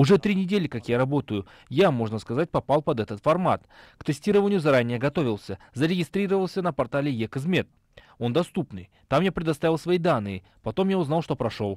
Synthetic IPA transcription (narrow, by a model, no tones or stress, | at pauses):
ʊʐɛt̪ɾʲinʲɪdʲelʲɪkakjaɾɐbo̞t̪əjʊ | jamo̞ʐnəskɐzat̚ʲpɐpalˠpɐd̪ɛt̪ət̪fɐrmat̪kt̪ɨsʲtʲiɾəvənʲɪjʊzɐɾanʲːɪjəɡɐt̪o̞vʲɪlˠsʲəzəɾʲɪɡʲɪst̪ɾʲiɾəvəlˠsʲənəpɐrt̪alʲɪjekɨzmʲet̪̚ | o̞nd̪ɐst̪upnɨ̰j | t̪amjapɾʲɪd̪ɐst̪avʲɪlˠsvɐid̪anːɨɪ | pɐt̪o̞mjaʊznɑlˠʂt̪o̞pɾɐʂolˠ